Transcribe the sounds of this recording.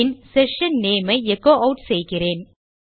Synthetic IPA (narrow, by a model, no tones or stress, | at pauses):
ɪnsɛʂɐnneːmɐɪɛkːoːʔɐʊʈsɛjɣɪreːn